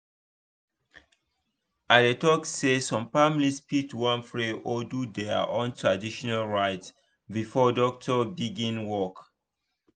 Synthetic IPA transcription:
adetɔksesɔ̃mfamlispitwãnfɹeʔodudɛa̰ʔɔ̃ntʰɹadiʃɔnalɹaɪt | bifɔdɔk̚tʰɔbiɡĩnwɔk

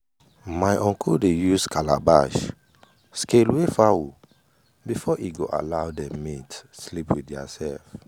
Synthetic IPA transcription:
maɪʔɔ̃ŋkɔdejuskʰala̰ba̰ʃ | skelwefawo | bifɔʔiɡoʔa̰laʊdɛmitslipwidja̰sɛlf

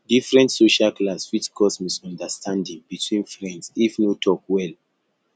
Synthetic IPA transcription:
difɹɛ̃ntsoʃalklaswit͡ʃkʰɔsmisɔ̃ndəstʰãndĩŋbitʰwĩnfɹɛ̃ndsifnotʰɔkwɛl

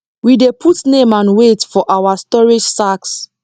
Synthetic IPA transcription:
widepʰutnẽmãnwetfɔʔawastɔɹid͡ʒsaks

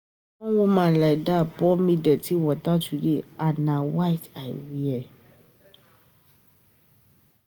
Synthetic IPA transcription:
wɔ̃womãlajdapɔmĩdɛtiwɔtatudeanãwaitawiɛ

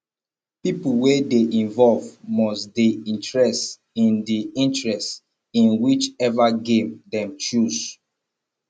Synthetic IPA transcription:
pipuwedeʔĩnvɔlvmɔsdeĩntɹɛst | ĩndiĩntɹɛst | ĩnwit͡ʃɛvaɡẽmdɛ̃mt͡ʃuz

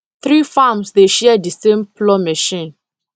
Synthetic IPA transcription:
θɹifamsdeʃɛɛdəsẽmplɔmɛʃĩn

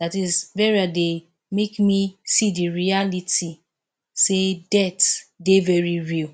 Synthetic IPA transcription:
datisvɛɹiade | mekmisidiɹialiti | sedɛtdevɛɹiɹil

